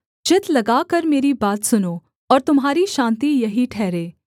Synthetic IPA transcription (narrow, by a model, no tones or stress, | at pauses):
d͡ʒɪt̪lɐɡaːkɐɾmeːɾibaːt̪sʊnoː | ɔːɾt̪ʊmɦaːɾiʃãːnt̪ijɐɦiʈʰɛːɾeː